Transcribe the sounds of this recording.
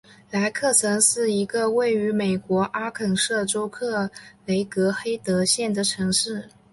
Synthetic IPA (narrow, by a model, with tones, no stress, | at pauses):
la˧˥ɪkʰɤ˥˩t͡sʰɤ˧˥ŋʂɻ̩˥˩i˧˥ɡə˧we˥˩ɪy˧˥me˨˩ɪkwɔ˧˥ʔa˥kʰə˨˩ŋʂɤ˥˩ʈ͡ʂo˥ʊkʰɤ˥˩le˧˥ɪkɤ˧˥xe˥ɪt̪ɤ˧˥ɕjɛ˥˩nd̪ə˩ʈ͡ʂʰɤ˧˥ŋʂɻ̩˥˩